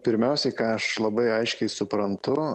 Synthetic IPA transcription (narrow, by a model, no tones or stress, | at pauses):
pʲɪɾʲmʲɛʊsʲɛɪkɑːɐʃlˠɐbɐɪɐɪʃʲkʲɛɪsʊpɾɐnt̪ʊ